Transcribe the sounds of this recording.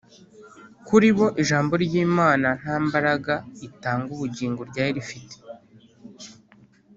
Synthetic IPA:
kuɾiβo̞ʔiʒaːmbo̞ɾɟiːmaːnan̥ambaɾaɡaitaːŋɡuβuɟiːŋɡoɾɟaːjiɾifite̥

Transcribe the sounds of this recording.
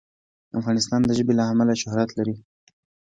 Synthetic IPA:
afɣɑnɪst̪ɑnd̪əʒəbelaamalaʃʊhɾat̪laɾi

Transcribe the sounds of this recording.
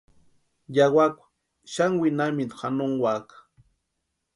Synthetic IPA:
jawakʷḁ | ʃaŋwinaminxanoŋwakḁ

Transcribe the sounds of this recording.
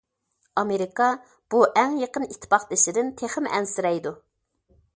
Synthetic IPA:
ɑmeɾikɑ | b̥uʔɛŋjeqənit̪ʰːpʰɑχd̪ɪʃɪd̪ɪnt̪ʰeχəmɛ̰nsɪɾɛjd̪u

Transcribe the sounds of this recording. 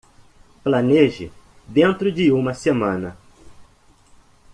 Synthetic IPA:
plɐneʒɪ̰ | d̪ẽnt̪ɾʊd͡ʒɪũmɐsemɐ̃nɐ

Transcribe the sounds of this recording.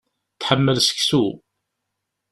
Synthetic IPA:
θħəmːəlsə̥çsu

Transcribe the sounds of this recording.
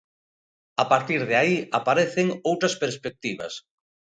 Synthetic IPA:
apaɾt̪iɾðeaiapaɾeθeŋowt̪ɾɐspeɾspek̚t̪iβɐ̰s

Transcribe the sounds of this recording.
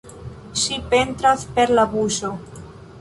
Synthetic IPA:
ʃipent̪ɾaspeɾlaβuso

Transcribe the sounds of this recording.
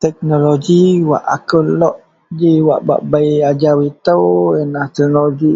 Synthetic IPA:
t̪ɛk̚noloɡiwa̰ʔakəlɔʔ | d͡ʒiwa̰ʔba̰ʔbajad͡ʒawit̪əwənaht̪ɛk̚noloɡi

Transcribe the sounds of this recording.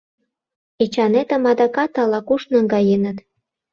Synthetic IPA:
it͡ɕɑnet̪ə̆mɑd̪ɑkɑt̪ːɑlɑkuʃnɤ̆ŋɡɑjenə̆t̪

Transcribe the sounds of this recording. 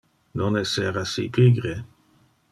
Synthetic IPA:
nonɛseɾasḭpʰiɡɾe

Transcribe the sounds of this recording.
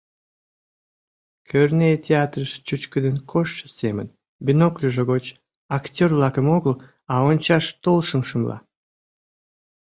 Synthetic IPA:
kʲʰørnejt̪ʲeat̪rəʃt͡ɕut͡ɕkəd̪enkʰoʃːəsemə̰n | bʲinoklʲuʒoɣot͡ɕ | akt̪ʲorvlˠɑkəmoɣəlˠ | ɑont͡ɕɑʃt̪olˠʃəmʃəmlˠɑ̰

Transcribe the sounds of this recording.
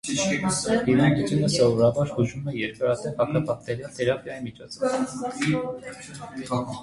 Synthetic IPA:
iɾɑnɡit͡ʃɛləsɔvɔɾɑbɑɾhuʒumɛjɛɾkɑɾɑt̪ʰɛvhɑkʰɑpʰɑχt̪ɛɾjɑt̪ʰɛɾɑkɑimit͡ʃʰɔt͡sʰɔv

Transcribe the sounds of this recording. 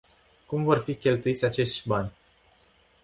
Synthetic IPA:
kumvo̞rfikʲe̞lt̪uit̪sʲat͡ʃe̞ʃt̪ʲbanʲ

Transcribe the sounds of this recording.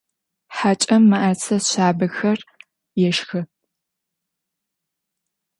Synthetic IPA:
ħat͡ʃʼɐmːɐʔɐt͡sʰɐzɕaːbɐxɐr | jɛʂxɨ

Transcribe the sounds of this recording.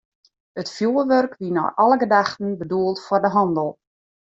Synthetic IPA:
ətfjuːəʋørkʋinɔ̰jʔɔləɡədaxtən̩bəduəlˠtfʊrdəɦɑndəlˠ

